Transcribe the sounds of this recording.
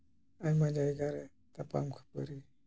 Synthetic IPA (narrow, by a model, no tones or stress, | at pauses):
ajmad͡ʒajɡaɾe | t̪apa̰mkʰu̥pə̰ɾi